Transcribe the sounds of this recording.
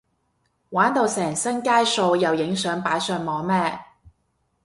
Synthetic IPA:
waː˨˥nt̪o˨˧wsɛː˨˩ŋsɐ˥nkaː˥jso˧wjɐ˨wjɪ˨˥ŋsœː˨˥ŋpaː˨˥jsœː˧ŋmɔː˨ŋmɛː˥

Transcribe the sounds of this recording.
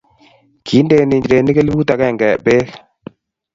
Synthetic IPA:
kʰi˨˦nde˨ni˨ɲd͡ʒɾe˨ni˦ke˦lbu˦ta˨kɛ˦˨ŋɡɛ˨be˦k

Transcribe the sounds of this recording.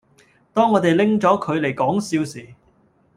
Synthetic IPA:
t̪ɔː˥ŋːɔː˨˧t̪e˨jlɪ˥ŋt͡sɔː˨˥kʰɵ˨˧ɥle˨˩jkɔː˨˥ŋsiː˧wsiː˨˩

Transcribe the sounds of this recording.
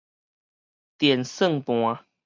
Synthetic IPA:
t̪jɛ˨˩nsə˥˨ŋpw̃ã˧

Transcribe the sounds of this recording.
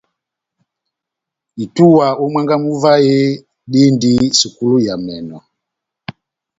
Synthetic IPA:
i˨tu˦wa˨u˦mwa˦ŋɡa˦mu˦va˦je˦ | ɗi˦ndi˦su˨ku˦lu˦ja˨mɛ˨nɔ˨

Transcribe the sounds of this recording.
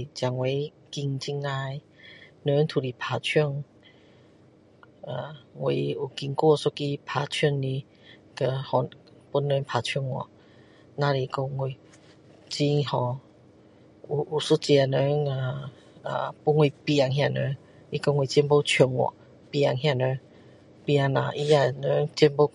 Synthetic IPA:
t͡ɕja˨˩ŋwe˨˧˦ | ki˧ŋt͡ɕi˧ŋa˧j | nə˧˦ŋt̪ʰu˨˧li˨pʰa˨˩t͡ɕʰɔ˥˧˨ŋ | a˨wḛ˧˨u˨˩ki˧ŋku˦˧˨so˦ki˧pʰa˨t͡ɕʰə˧˨ŋni˧ | kə˧hɔ˨ | pu˦nːə˧˦npʰa˨˩t͡ɕʰŋwɔ̰˧˨ | nã˧ɾi˧˨kɔ˧ŋi˧˨ | t͡ɕi˧hɔ̃˧ | u˨u˨˩su˦t͡ɕi˧a˧nə˧˦ŋa˨ | a̰˨pu˦nwi˧pja˨˩ŋɦj̃ã˥˧˨nə˧˦ | i˧kɔ˧ŋwi˨t͡ɕɛ˧˦npo˧˦t͡ɕʰɔ˧˩ŋwɔ̰˨ | pja˨˩ŋɦjã˧˨nə̃˧˦ | pĩ˧a˧ŋnã̰˨ʔi˧a˧nə˧˦ŋt͡ɕi˧˦npo˦

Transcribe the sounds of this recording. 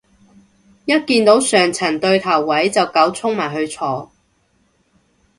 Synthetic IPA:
jɐ˥t̚kiː˧nt̪o˨˥wsœː˨˩ŋt͡sʰɐ˨˩nt̪ɵ˧ɥt̪ʰɐ˨˩wːɐ˨˥jt͡sɐ˨wkɐ˨˥wt͡sʰʊ˥ŋmaː˨˩jɦɵ˧ɥt͡sʰɔː˧

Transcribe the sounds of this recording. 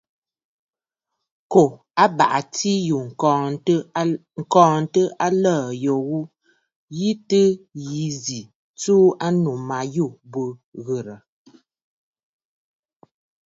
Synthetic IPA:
ko˨ | a˦ba̰˨ʔa˨ti˦ju˨˦ | ŋ̩˨kɔː˨n̩˦tə˦a˦ləː˦˨jo˨ɣu˦ | ji˦tɨ˦ji˨˦zi˨ | t͡suː˦a˦nu˨ma˨ju˦˨bə˨ɣə˨ɾə˨

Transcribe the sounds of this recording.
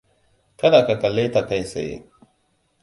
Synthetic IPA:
ka˦da˨ka˨ka˨le˦t̪a˨ta˨jsḛ˨jḛ˨

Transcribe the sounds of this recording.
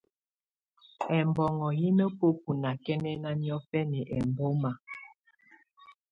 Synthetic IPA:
ɛ˨mbɔ˨ŋɔ˨ji˦nə˦po˦p̚u˨na˨kɛ˦nɛ˦na˦ni˦ɔ˦fɛ˦nɛ˨ʔɛ˨mbo˦ma˨

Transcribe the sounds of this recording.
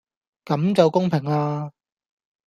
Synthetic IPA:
kɐ˨˥mt͡sɐ˨wkʊ˥ŋpʰɪ˨˩ŋlaː˧

